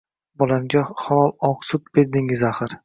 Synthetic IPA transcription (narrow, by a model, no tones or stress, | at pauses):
bɒlamɡʲaχɒɒlˠɒqsʊt̪̚be̞ɾd̪ɪŋɪzaχɨɾ